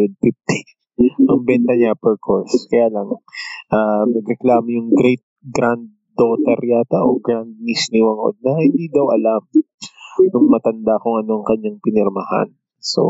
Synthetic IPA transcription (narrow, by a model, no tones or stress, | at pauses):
ɛd̪̚pift̪i̥ | nɐŋbɛnt̪ɐɲapɛɹkʰoskɐjaːlɐŋʔaːnɐɡɾɛklaːmojʊŋɡɾɛjt̪̚ɡɾand̪̚ːot̪ɐɾjaːt̪ɐʔoɡɾand̪̚nisniwɐŋʔo̰d̪̚nɐhɪnd̪iːd̪ɐwʔɐlam | nʊŋmɐt̪ɐnd̪akʊŋʔɐno̞ʔɐŋkɐɲːaŋpɪnɛɾmɐha̰n | so̞̰